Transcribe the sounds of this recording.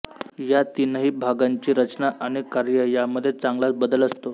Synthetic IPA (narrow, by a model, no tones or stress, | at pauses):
jat̪inəɦiːbʱaɡaɲt͡ɕiːɾət͡ɕnaʔaɽ̃ikaɾjəjaməd̪ʱːjet͡sãŋɡlasbəd̪ələst̪o